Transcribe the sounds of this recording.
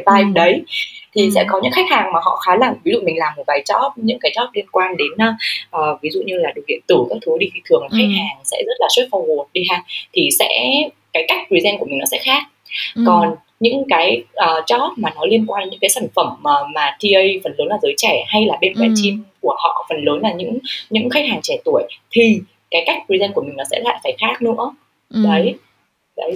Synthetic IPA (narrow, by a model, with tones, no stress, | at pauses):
aː˧jɗə˨˦jt̪ʰi˨˩sɛ̰˧˥kɔ˨˦ɲɨ̰˧˥ŋxa˦˥jk̚haː˨˩ŋmaː˨˩ɦɔ̰˧˨xaː˨˦la˨˧˩mvi˨˦zṵ˧˨mi̟˨˩laː˨˩mo˨˩t̚ɓaː˨˦jt͡ɕɔ˦˥t̚ɲɨ̰˧˥ŋkaː˨˦jt͡ɕɔ˦˥t̚li˧ənkwaː˧nɗe˨˦nː˧˦ʔəː˨˩vi˨˦zṵ˧˨ɲɨ˧laː˨˩ɗɨ˨˩ək̚ːḭ˧˨ənt̪ɨ˧˩kaː˦˥k̚t̪ʰu˨˦t̪i˧˩ki˧˩t̪ʰɨ˨˩əŋm˨˩xa˦˥k̚haː˨˩ŋsɛ̰˧˥zə˦˥t̚laː˨˩swu˦˥t̚fa˧˩whu˨˩ət̚ɗi˧˩ɦaː˨˩ŋ̚t̪ʰi˨˩sɛ̰˧˥ | kaː˨˦jka˦˥jk̟̚t̪wi˨˦zɛ˧ŋku˧˩əmï̟˨˩nɔ˨˦sɛ̰˧˥xaː˦˥k̚kɔ˨˩n | ɲɨ̰˧˥ŋkaː˨˦jʔəː˨˩t͡ɕɔ˦˥t̚maː˨˩nɔ˨˦li˧ənkwaː˧nɲɨ̰˧˥ŋkaː˨˦sa˧˩ŋ̟fə˧˩məː˨˩maː˨˩t̪ʰi˧ʔə˧jfə˨˩nləː˨˦nlaː˨˩zəː˨˦jt͡ɕɛ˧˩ha˧jlaː˨˩ɓe˧nkwɛ˨˩˦t͡ɕi˧mku˧˩əhɔ̰˧˨fə˨˩nləː˨˦nlaː˨˩ɲɨ̰˧˥ŋɲɨ̰˧˥ŋxa˦˥k̟̚haː˨˩ŋt͡ɕɛ˧˩t̪u˧˩əjt̪ʰi˨˩ | kaː˨˦jka˦˥k̚pi˧zɛ˧nku˧˩əmi˨˩ŋ̟nɔ˨˦sɛ̰˧˥la̰ː˧˨faː˧˩jxaː˦˥k̚nɨ̰˧˥ə | ɗə˨˦j | ɗə˨˦j